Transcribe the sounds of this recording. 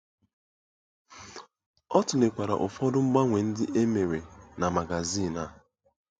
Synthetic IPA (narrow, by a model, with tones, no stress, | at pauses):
ɔ˦tʊ˨ne˨kʷa˨ɾa̰˨ʔʊ˨fɔ˦dʊ˦m̩˦ɡ͡ba˦ŋʷe˨n̩˦dɪ˦ʔe˦me˨ɾe˨na˨ma˨ɡa˨zi˦˨na˦˨